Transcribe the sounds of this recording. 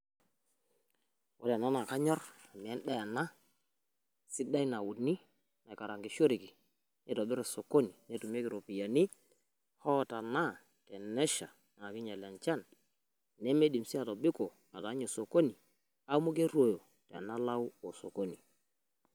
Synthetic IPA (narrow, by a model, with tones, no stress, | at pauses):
wɔ̰˦la˨na˦na˨ka˦ɲɔ˦ɾa˨mi˨ɛ˦nɗa˦ja˨na˦ | sɪ˦da˦jna˨wʊ˨dni˦ | na˨ka˨ɾa˨ŋɡi˨ʃo˦ɾi˨ki˨ | ne˦tɔ˨bɪ˦ɾe˨so˨ko˦ni˨ne˦tu˨me˦kɪ˨ɾo˨pi˨ja˨ni˦ | hɔ˦˨ta˨na˦˨ | tɛ˨nɛ˦ʃa̰˨ | nː˨kɪ˦ɲa˨lɛ˨nt͡ʃa˦n | ne˦me˦di˨msi˦a˨tɔ˨bɪ˦ko˨ | a˨ta˨˦ɲo˨so˨ko˦ni˨ | a˦mu˦k̬e˦ɾwo˨jo˨ | tɛ̰˨a̰˨na˦la˦u˦o˨so˨ko˦ni˨